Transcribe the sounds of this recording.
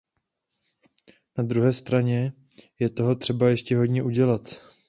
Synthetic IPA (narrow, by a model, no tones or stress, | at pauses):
nad̪ɾuɦɛːst̪ɾaɲɛjɛt̪o̞ɦo̞t̪r̥ɛbajɛʃcɛɦo̞dɲɛʔuɟɛlat̪